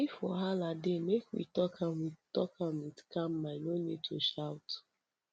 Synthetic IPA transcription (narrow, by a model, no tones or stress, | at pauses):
ifɔɦalademekwḭtɔkʰãmitɔkʰamitkãmmaɪnonitʰoʃaʊt